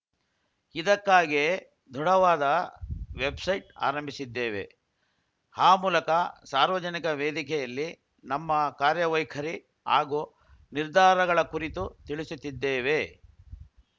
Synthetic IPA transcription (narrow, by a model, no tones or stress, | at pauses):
id̪ɐkːaːɡe | d̪ʱuɽɐʋaːd̪ɐʋebsɐjʈa̰ːɾɐmbʱisid̪ːeːʋḛ | haːmuːlɐkɐsaːɾʋɐd͡ʒɐnikɐʋeːd̪ikɛjɐlːi | nɐmːɐkaːɾjɐʋɐjkʰɐɾi | a̰ːɡu | niɾd̪ʱaːɾɐɡɐɭɐkuɾit̪ut̪iɭisut̪ːid̪ːeːʋe